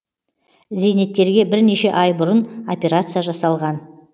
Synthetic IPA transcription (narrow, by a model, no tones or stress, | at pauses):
ze̞jne̞t̪̚kʲe̞ɾɡʲe̞bɪɾne̞ʃe̞ʔɑjbʊɾəno̞pʲe̞ɾat̪sɨjaʒɑsɑlˠʁɑn